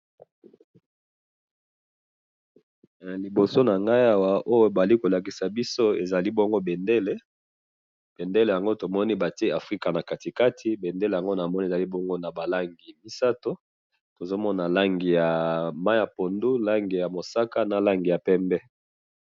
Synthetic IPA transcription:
li˨bo˨so˦na˨ŋɡa˦ja˨wa˨ʔo˦jo˦ba˨li˦ko˨la˨k̬i˨sa˨bi˦so˦e˨za˨li˦bɔ˦ŋɡo˦bɛ˨nde˦le˦ | b̥e˨nde˦le˨ja˨ŋɡo˦to˨mɔ˦ni˦ba˨te˦a˨fʁi˦ka˨na˨ka˨ti˨ka˦tʰi˦be˨nde˦lja˨ŋɡo˦na˨mɔ˦ni˦˨za˨li˦bɔ˦ŋɡo˦na˨ba˨la˦ŋɡi˨mi˦sa˦to˦ | to˨zo˦mɔ˦na˨la˦ŋɡi˨ja˨ma˦ja˨po˨ndu˦la˦ŋɡi˨ja˨mo˨sa˦ka˦na˨la˦ŋɡi˨ja˨pɛ˦mbɛ˦

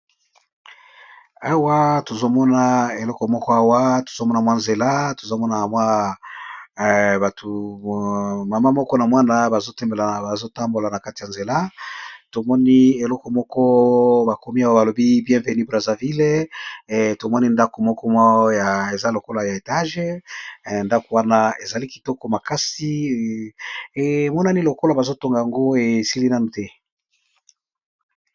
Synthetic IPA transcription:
a˦wa˦to˨zo˦mɔ˦na˨e˨lɔ˦kɔ˨mɔ˦kɔ˦a˦wa˦to̥˨zo˦mɔ˦na˨mwa˦nze˨la˦to˨zo˦mɔ˦na˨mwa˦˨ | ba˨tʰu˨ | ma˨ma˦mɔ˦kɔ˦na˨mwa˦na˦ba˨zo˦tɛ˦mbe˨la˨ba˨zo˦ta˦mbo˨la˨na˨ka˦ti˨ja˨nze˨la˦to˨mɔ˦ni˦e˨lɔ˦kɔ˨mɔ˦kɔ˦ba˨ko˨mi˦a˨wa˦ba˨lo˨bi˦bjɛ̃˦ve˨ny˦bʁa˨za˨vi˦le˦ | to˨mɔ˦ni˦nda˦ko˨mɔ˦kɔ˦m˦ja˨e˨za˦lo˨ko˦la˨ja˨e˨ta˦ʒe˦ | nda˦ko˨wa˦na˦e˨za˨li˦ki˨tɔ˦kɔ˦ma˨ka˦si˦ | e˨mɔ˦na˦ni˦lo˨ko˦la˨ba˨zo˦to˦ŋɡa˨ja˨ŋɡo˦e˨si˦li˦na˦nu˨tɛ˦

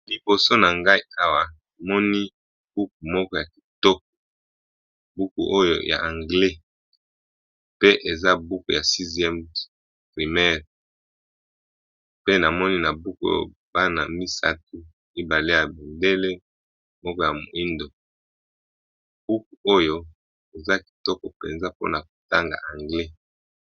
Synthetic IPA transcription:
li˨bo˨so˦na˨ŋɡa˦i˦a˦wa˨na˨mɔ˦ni˦ | b̥u˦k̚u˨mɔ˦kɔ˦ja˨ki̥˨tɔ˦k̚o̥˨ | bu˦kṵ˨ʔo˦jo̰˦ja̰˨ʔã˨ŋɡle˦ | pe˦ʔe˨za˦bu˦ku˨ja˨si˦zɛ˦m | pʁi˨mɛ˦ʁ | pe˦na˨mɔ˦ni˦na˨bu˦ko̰˨ | ba˦na˨mi˦sa̰˦t̚u˦ | i˦ba˨le˦ja˨bi˨nde˦le˦ | mɔ˦kɔ˦ja˨mo˨i˦ndo˨ | b̥u˦ku˨ʔo˦jo˦ | e˨za˦ki̥˨tɔ˦ko˨pḛ˨nza˦po̰˦na˨k̚o˨ta˦ŋɡa̰˨ʔã˨ŋɡle˦

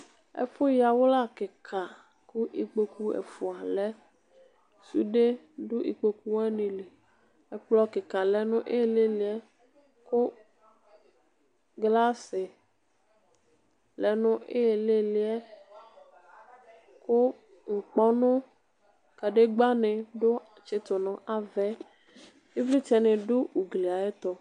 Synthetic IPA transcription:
ɛ̰˦fo˦ja˨wo˦la˦ke˨kʰa˨ | ku˦ʔi˨k͡pe˨ku˦ḛ˨fu˨a˨lɛ˦ | sṵ˦ɖe˦ | du˦ʔḭ˨k͡pe˨ku˦wɛ˦nĩ˨le˨ | e˦k͡plɔ˦ke˨ka˨lɛ˦nʊ̃˦ʔe˦e˨le˦li˨ɛ˦ | ko˦ | ɡla˦se˨ | lɛ˨nʊ̃˦e˦e˨le˦li˦ɛ˦ | ko˦ | ŋ̩˨k͡pɔ˦nʊ̃˦ | ka˨ɖe˦ɡ͡ba˦nẽ˨ɖo˦ | t͡ʃe˨t̪o˨nɔ̃˨ʔa˨vɛ˦ | e˦vli˦t͡ʃɛ˨nẽ˨ɖo˦u˨ɡli˨a˨e˦t̪ɔ˨

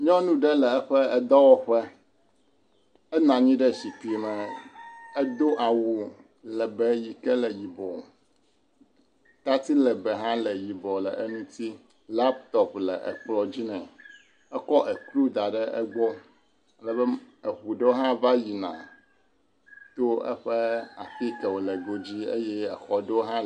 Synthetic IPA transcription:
ɲɔ̃˦nũ˦ɖɛ˦lɛ˨ɛ˦ɸɛ˦ɛ˦d̪ɔ˦wɔ˦ɸɛ˦ | ɛ˦nã˨ɲĩ˦ɖɛ˦ɕi˨pi˨mɛ̃˨ | ɛ˦d̪o˦ʔa˨wu˨ | lɛ˨bɛ˨ji˨kɛ˦lɛ˨ji˨bɔ˨ | t̪a˦t̪i˦lɛ˨bɛ˨ɦã˦lɛ˨ji˨bɔ˨lɛ̰˨ʔe˦nũ˦t̪i˦ | la˦p̚t̪ɔ˦plɛ˨ʔɛ̰˨k͡plɔ˦d͡ʑi˦nɛ̃˨ | ɛ˦kɔ˦ʔɛ˨klu˦d̪a˨ɖɛ˦ʔɛ˦ɡ͡bɔ˦ | a˨lə˦bɛ˦ɛ˨ɸu˨ɖe˦wo˦ɦã˦va˦ji˨nã̰˨ | t̪o˦ɛ̰˦ɸɛ˦a̰˨fi˦kɛ˨wo˨lɛ˨ɡo˦d͡ʑi˦e˦jɛ˦ɛ˨xɔ˨ɖe˦wo˦ɦã˦

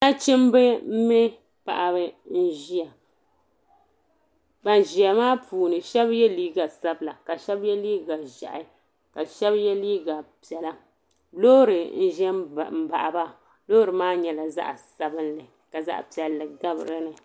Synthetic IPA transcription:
na˦t͡ʃɪ˦m˦bɛ˦m̩˦mɛ˦ | pa̰˨ʔa˨bɨ˦n̩˦ʒi˦a˨ | ba˨n˨ʒi˨a˨maː˦puː˨nɨ˨ʃɛ˦bjɛ˦liː˦ɡa˨sa˦bla˨ka˨ʃɛ˦bjɛ˦liː˦ɡa˨ʒa̰˨ʔa˨˦ | ka˨ʃɛ˦bjɛ˦liː˦ɡa˨pi˨ɛ˨la˦ | lo˦ɾɨ˨n̩˦ʒɛ˦˨m̩˦ba˨ʔa˨ba˦ | loː˦ɾɨ˨maː˦ɲɛ˨˦la˨za̰˦ʔa˨sa˨bɨ˦nlɨ˨ | ka˨za̰˦ʔpi˨ɛ˨lːɨ˨ɡa˦b̰ɾɨ˦nɨ˨

